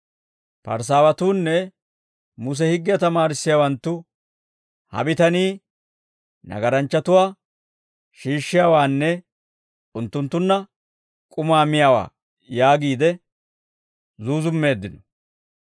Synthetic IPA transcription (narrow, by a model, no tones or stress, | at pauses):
pɐ̰ɾs̬aːwɐt̪uːnːɛ | mʊs̬ɛhɪɡːɪjɐt̪ɐmaːɾɪsːɪjaːwɐnt̪ːʊ | hɐ̰bɪt̪ɐniː | nɐ̰ɡɐɾɐnt͡ʃːɐt̪ʊwaː | ʃiːʃːɪjaːwaːnːɛ | ʊnt̪ːʊnt̪ːʊnːɐ | kʼʊmaːmɪjawa̰ː | jaːɡiːd̪ɛ | zuːzʊmːe̞ːd̪ːɪnɔ